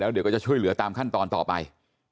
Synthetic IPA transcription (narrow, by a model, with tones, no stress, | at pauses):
lɛ˨˦wɗe˨˩wkːt͡ɕɔ˧t͡ɕʰuː˧jlɨ̰˨˧˦ət̪aː˨˩mxa˧˩ŋt̪ɔ˨˩nt̪ɔ˨˩p̚ɓa̰˨˩j